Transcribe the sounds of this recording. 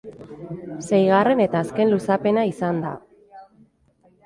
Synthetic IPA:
se̞jɣ̞are̞ne̞t̪aːske̞nlusape̞naisand̪a̰

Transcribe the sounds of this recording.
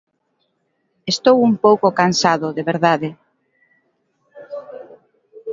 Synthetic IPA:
est̪owumpowkokansaðʊðeβeɾðaðe

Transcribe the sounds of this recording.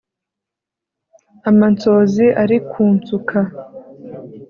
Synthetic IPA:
amant͡so̞ːziʔaɾikʰuːnt͡sukʰa

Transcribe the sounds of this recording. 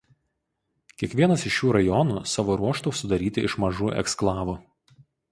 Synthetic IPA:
kʲiɛkʋʲiɛnɐsɪʃjuːɾɐjɔnuːsɑːʋoːɾuɔʃt̪oʊsʊd̪ɐɾʲiːt̪ʲɪɪʃmɐʒuːʔɛ̰ksklˠɑːʋu

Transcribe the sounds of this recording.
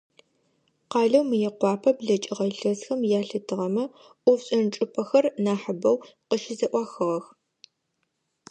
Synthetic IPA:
qɑːɮɐwmɨjɛqʷɑːpʰɐbɮɐt͡ʃʼɪʁɐɬɐsxɐmjaːɬɨtʰɨʁɐmɐ | ʔʷʊfɕʼɐnt͡ʃʼɨpʰʼɐxɐrnaːħəbɐwqəʃɪzɐʔʷɑːxɨʁɐx

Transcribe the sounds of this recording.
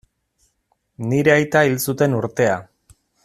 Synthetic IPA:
niɾe̞ajt̪ailsut̪e̞nuɾt̪e̞a

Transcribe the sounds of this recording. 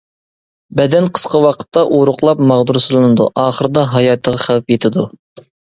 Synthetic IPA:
bɛd̪ɛnqʰə̥sqɑwɑqʰə̥t̪ːɑʔoɾʊqlˠɑpmɑʁd̪uɾsɨlˠɨnɨd̪uʔɑːχəɾɨd̪ɑɦɑjɑːt̪ʰəʁɑχæwɛpjet̪ʰɪd̪u

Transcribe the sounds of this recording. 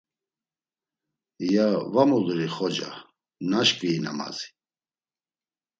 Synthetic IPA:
javamulɾiχɔd͡ʒa̰ | naʃkʼviːna̰ma̰zi̥

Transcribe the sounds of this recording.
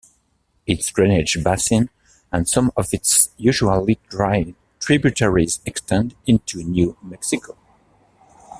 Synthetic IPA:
ɪtsdɹɛnɪd͡ʒbasɪ̃n | ə̃nsʌ̃mɔvɪtsjʉʒualˠidɹaɪ | tʰɹ̥ibjutʰɛɹizɛkstʰɛ̃ndɪ̃ntʰunjumɛksikʰo

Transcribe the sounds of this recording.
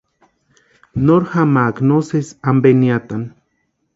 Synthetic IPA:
noɾhamaːknosesambeniat̪an

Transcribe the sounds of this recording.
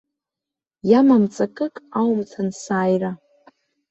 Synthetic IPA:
jamamt͡sʼakʼɨkʼawmt͡sʰansaːjra

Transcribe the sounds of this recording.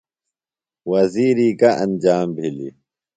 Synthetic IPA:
wɐziːɾikaʔɐnd͡ʑaːmbʱilḭ

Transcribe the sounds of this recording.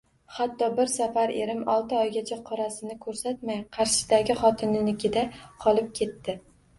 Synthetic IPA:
hat̪ʰːɒbɪɾsafaɾḛɾɪmɒlˠt̪ɪɒjɡʲat͡ʃʰaqʰɒɾasɪnɪkʰɵɾsat̪majqʰɑɾʃɪ̥d̪aɡʲɪχɒt̪ʰɪnɪnɪkʲɪd̪aqʰɒlˠɪp̚kʲʰe̞t̪ːɪ

